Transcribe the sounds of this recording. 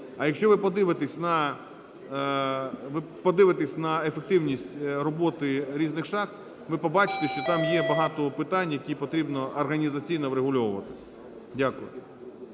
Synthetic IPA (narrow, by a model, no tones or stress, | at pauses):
ɐjɐkʃʲt͡ʃɔʋɪpɔd̪ɪʋɪt̪esʲnɐ | ʋɪ | pɔd̪ɪʋɪt̪esʲnɐefek̚t̪ɪwnʲisʲtʲrɔbɔt̪ɪɾʲiznɪxʃɑx | ʋɪpɔbɑt͡ʃɪ̥t̪eʃt͡ʃɔt̪ɑmjɛbɐɦɑt̪ɔpɪt̪ɑnʲjɐkʲipɔt̪ɾʲibnɔɐrɦɐnʲizɐt͡sʲijnɔʋɾeɦʊlʲɔʋʊʋɐt̪ɪ̥ | dʲakʊjʊ